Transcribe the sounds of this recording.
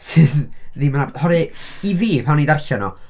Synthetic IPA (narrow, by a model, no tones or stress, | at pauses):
sɨððimanahɔɾɨiviːpʰawnidarɬanɔ̰